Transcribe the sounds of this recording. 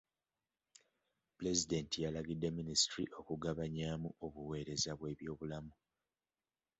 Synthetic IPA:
pule̞zide̞ntijalaɡidːe̞minisitɾḭʔo̞kuɡaβaɲaːmuʔo̞βuwe̞ːɾe̞zaβwe̞ːβjo̞ːβulamu

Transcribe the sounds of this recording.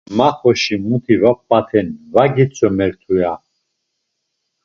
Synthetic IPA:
maχɔʃimut̪ʰivɔppʼːat̪ʰɛnvaɡit͡sʼɔmɛɾt̪ʰuja

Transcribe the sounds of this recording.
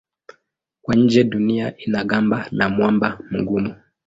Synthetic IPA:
kwaɲ̩d͡ʒɛɗuniaʔinaɠambanamwambam̩ɡumu

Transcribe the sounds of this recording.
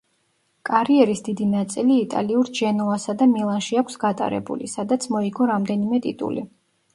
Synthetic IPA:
kʼaɾiɛɾisd̪id̪inat̪sʼiliːt̪ʼa̰liuɾd͡ʒɛnɔasad̪amilˠanʃiakʰʷsɡat̪ʼa̰ɾɛ̰bṵlḭsad̪at̪sʰmɔiɡɔɾamd̪ɛnimɛt̪ʼḭt̪ʼṵlḭ

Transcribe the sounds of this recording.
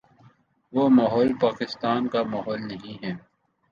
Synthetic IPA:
ʋomaːɦɔːlpaːkɪst̪aːnkamaːɦɔːlnɐɦĩɦɛː

